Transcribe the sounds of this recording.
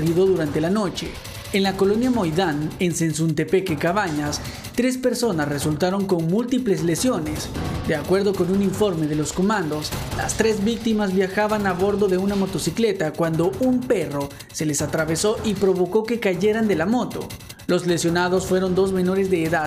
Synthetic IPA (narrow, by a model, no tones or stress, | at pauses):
iðo̞ðuɾant̪e̞lano̞t͡ʃe̞ | enlako̞lo̞njamo̞jðanensensunt̪e̞pe̞kekaβaɲas | t̪ɾe̞spe̞ɾso̞nasresult̪aɾo̞ŋko̞ŋmult̪iple̞zle̞sjo̞ne̞sd̪e̞akwe̞ɾðo̞ko̞nuniɱfo̞ɾme̞ð̞e̞lo̞sko̞mãnd̪o̞sla̰st̪ɾe̞zβik̚t̪imazβjaxaβanaβo̞ɾðo̞ðe̞unamo̞t̪o̞sikle̞t̪akwand̪o̞ʔumpe̞ro̞ | se̞le̞sat̪ɾaβe̞so̞ʔipɾo̞βo̞ko̞ke̞kaʝe̞ɾand̪e̞lamo̞t̪o̞̰ | lo̞zle̞sjo̞naðo̞sfwe̞ɾo̞nd̪o̞zme̞no̞ɾe̞zðe̞ːða